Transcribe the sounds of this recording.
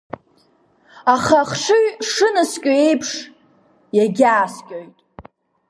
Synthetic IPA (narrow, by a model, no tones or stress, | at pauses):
aχaχʂɨɥʂɨnɨskʲʼoe̞jpʰʂ | jaɡʲaːskʲʼojtʼ